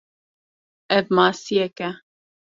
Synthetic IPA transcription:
ɛvmɑːsijɛkɛ

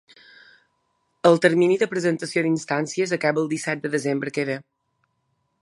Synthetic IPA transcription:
əlˠt̪əɾminiðəpɾəzənt̪əsiod̪inst̪ansiəzəkabəlˠd̪isɛt̪̚d̪əðəzembɾəkeðə

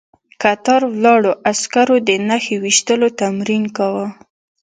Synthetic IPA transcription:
kat̪ɑɾwlɑɽoʔaskaɾod̪ənaxewiʃt̪əlot̪amɾinkawə

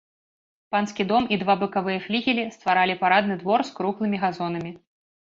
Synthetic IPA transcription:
panskʲid̪ɔmid̪vabɨkavɨjɐflʲiɣʲilʲist̪vaɾalʲipaɾad̪nɨd̪vɔrskɾuxlˠɨmʲiɣazɔn̪ɐmʲi

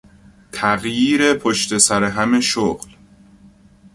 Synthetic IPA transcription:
t̪ʰæɣjiːɾepʰoʃt̪e̞sæɾeɦæmeʃoːɣl

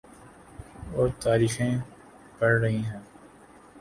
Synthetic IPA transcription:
oːt̪aːɾiːxẽ | pɐɽːɐɦĩɦɛ̃ː

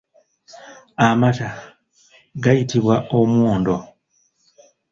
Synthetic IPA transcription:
amata | ɡajitiβwaʔomwoːndo̞

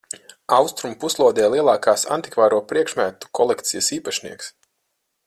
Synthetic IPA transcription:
awst̪ɾumpuslˠuɔd̪ʲɛːjlˠiɛlˠaːkaːsa̰nt̪ikvaːɾuɔpɾiɛkʃmæt̪u̥kʰɔlˠɛkt̪sijəsiːpaʃnḭɛks

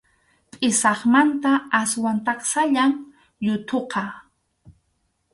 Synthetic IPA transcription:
pʼɪsɑχmant̪aaswant̪ɑχsaʎaŋ | jʊt̪ʰoqɑ

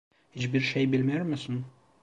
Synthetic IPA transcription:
hit͡ʃbiɾʃejbilʲmæɾmɪsɪn

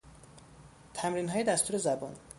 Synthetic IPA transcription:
t̪ʰæmɾiːnɦɒːje̞d̪æst̪uːɾe̞zæbɒːn

